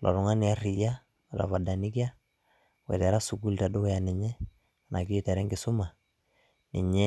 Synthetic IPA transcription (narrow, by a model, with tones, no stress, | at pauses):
lʔɔ̰˨ɾʊ˨ŋa˦nɪ˨a˦ri˨ja˦ | wɛ˨ta̰˨fa˨da˨ni˦ki˦a˦ | wɛ̰˨tɛ˨ɾa˦su˨ɡu˦lta˨do˦ja˨nɪ˨ɲɛ˦ | a˨na˨ki˦˨tɛ˨ɾɛ˦ŋɡɪ˨sʊ˦ma˨ | nɪ̰˨ɲɛ˦